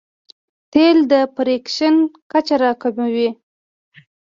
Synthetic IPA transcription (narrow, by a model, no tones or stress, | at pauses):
t̪eld̪əpɾekʃənkat͡ʃaɾɑkamawi